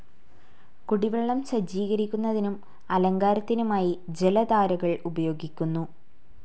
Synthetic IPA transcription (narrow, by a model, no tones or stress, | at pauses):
kuɽiʋeɭːɐmɕɐd͡ʑiːɣɐɾikʲːunːɐðinum | ɐlɐŋɡaːɾɐt̪ːinumaːjid͡ʑelɐd̪aːɾɐɣɐɭubɐjo̞ːɡikʲːunːu